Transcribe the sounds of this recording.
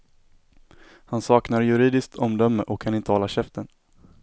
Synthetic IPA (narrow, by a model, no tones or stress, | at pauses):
hansɑːknaɾjɵɾiːd̪ɪsk̚t̪ʰɔmd̪œmːəʔɔkʰːanɪnt̪əhɔːlːaɕɛft̪ən